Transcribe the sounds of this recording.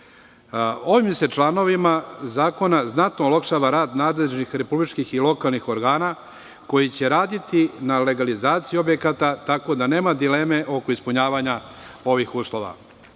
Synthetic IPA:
o̞ʋimse̞t͡ʃlˠano̞ʋimazaːko̞naznat̪noulakʃaːʋaɾaːd̪naːd̪leʒnixɾe̞publit͡ʃkixilo̞kalˠnixo̞ɾɡaːna | ko̞jit͡ɕe̞ɾaːd̪it̪inale̞ɡalizaːt̪sijio̞bjekat̪at̪ako̞d̪ane̞ːmad̪ileːme̞ʔo̞koispuɲaːʋaɲao̞ʋixuːslˠo̞ʋa̰

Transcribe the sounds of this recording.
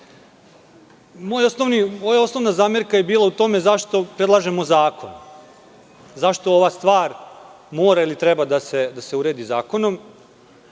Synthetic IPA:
moːjosnoʋnimojao̞sno̞ʋnazaːmjeɾkajebiːlˠaut̪o̞mezaʃt̪o̞pɾed̪lˠaːʒe̞mo̞zaːko̞̰n | zaʃt̪o̞oʋast̪ʋaːɾ | moːɾailit̪ɾebad̪ase̞d̪ase̞uɾe̞ːd̪izaːko̞no̞m

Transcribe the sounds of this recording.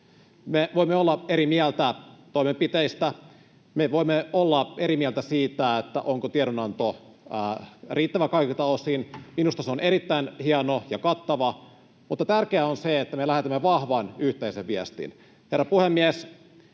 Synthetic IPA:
meʋo̞imːeolːɑeɾimiælt̪æt̪oimempit̪eist̪æ | meʋo̞imːeolːɑeɾimiælt̪æsiːt̪æet̪ːæ̰ʔoŋkot̪ieɾonɑnt̪o | riːt̪ːæʋækɑikit̪ɑosiːnminust̪ɑseoneɾit̪ːæinhiɑnojɑkɑt̪ːɑʋɑ | mut̪ːɑt̪ærkeæonseet̪ːæmelæhet̪æmːeʋɑhʋɑːnyht̪eiseʋʋiæst̪ḭn | he̞rːɑpuhemːies

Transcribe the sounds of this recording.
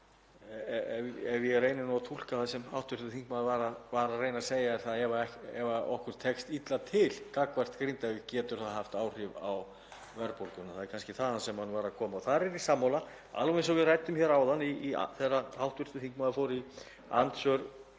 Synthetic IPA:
ɛvɛvjɛreːjnɪnɔat̪ʰul̥kaθaðsɛma̰wht̪vʏɾ̥t̪ʏθiŋkmaðvaːɾavaːɾareːjnaseːjaɛɾ̥θaðɛvaɛɛvaɔ̰hkʏɾ̥t̪ʰɛkst̪it̪lat̪ʰɪlkakvajr̥t̪kɾint̪aɪcɛːt̪ʏɾ̥θaðhaft̪aːwr̥ɪvaw | vɛɾpɔɾkʏnaθaðɛɾkʰanscɪθaðansɛmhanːvaːɾakʰɔːmaɔθaɾɛɾisamːawla | a̰lvɛ̃ɪjnsɔvɪðraːjt̪ʏmçɛːɾawðanːiːa̰θɛrːaawht̪vʏɾ̥t̪ʏθiŋkmaðafɔːɾi | a̰nt̪sœɾ

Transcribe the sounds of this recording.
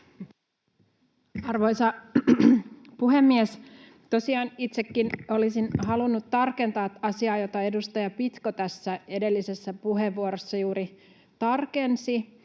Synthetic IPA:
ɑrʋo̞jsɑ | puɦe̞mːies | t̪o̞siɑːnit̪sekːino̞lisinhɑlunːut̪ːɑrke̞nt̪ɑːt̪ɑsiɑːjo̞t̪ɑe̞dust̪ɑjɑpit̪ko̞t̪æsːæe̞de̞lːise̞sːæpuɦeʋːuoɾosːɑjuːɾi | t̪ɑrke̞nsi

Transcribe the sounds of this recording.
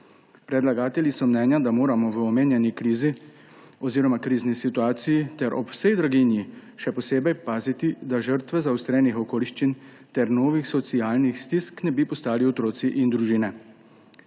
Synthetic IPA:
pɾɛd̪laɡaːt̪ɛlisɔmnɛːnjad̪amoːɾamɔʋəɔmeːnjɛnikɾiːzi | ɔziːɾɔmakɾiːznisit̪uaːt̪sijit̪ɛɾʔɔpwsɛjd̪ɾaɡinjiʃɛpɔseːbɛjpaːzit̪id̪aʒəɾt̪ʋɛzawst̪ɾɛːnixɔkoːliʃt͡ʃin | t̪ɛɾnoːʋixsɔt̪sijaːlnixst̪isknɛbipɔst̪aːliɔt̪ɾoːt̪siʔind̪ɾuʒiːnɛ

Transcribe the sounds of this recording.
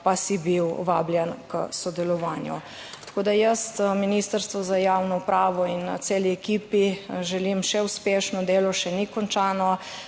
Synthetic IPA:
pasibiwʋaːbljɛnkə̰sɔd̪ɛlɔʋaːnjṵ | t̪ḁkoːd̪ajəst̪minist̪əɾst̪ʋɔzajawnɔupɾaːʋɔint̪seːliɛkiːpiʒɛlimʃɛuspeːʃnɔd̪eːlɔʃɛnikɔnt͡ʃaːnɔ

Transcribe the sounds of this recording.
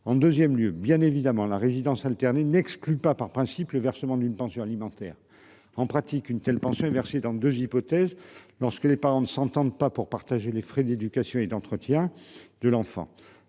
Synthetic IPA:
ɑ̃d̪øzjɛmljøbjɛ̃nevid̪amɑ̃laʁezid̪ɑ̃salt̪ɛʁnenɛksklypapaʁpχɛ̃sipləvɛʁsəmɑ̃d̪ynpɑ̃sjɔ̃alimɑ̃t̪ɛːʁ | ɑ̃pχat̪ikynt̪ɛlpɑ̃sjɔ̃ɛvɛʁsed̪ɑ̃d̪øzipɔt̪ɛzlɔʁskəlepaʁɑ̃nəsɑ̃t̪ɑ̃d̪papuʁpaʁt̪aʒelefχed̪ed̪ykasjɔ̃ed̪ɑ̃t̪χət̪jɛ̃d̪əlɑ̃fɑ̰̃

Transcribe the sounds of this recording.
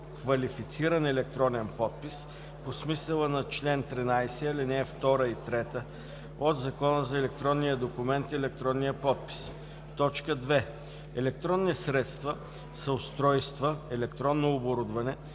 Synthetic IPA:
kvɐlifit̪siɾənɛlɛk̚t̪ɾɔnɛnpɔt̪̚pis | posmisəlˠənɐt͡ʃlɛnt̪ɾinajsɛalinɛːft̪ɔɾəit̪ɾɛt̪ə | od̪zɐkɔnəzɐɛlɛk̚t̪ɾɔnːijəd̪okʊmɛnt̪iɛlɛk̚t̪ɾɔnːijəpɔt̪̚pi̥s | t̪ɔt͡ʃkəd̪vɛ | ɛlɛk̚t̪ɾɔnːsɾɛt̪st̪və | sɐʊst̪ɾɔjst̪vəɛlɛkt̪ɾɔnːoːboɾud̪vɐnɛ

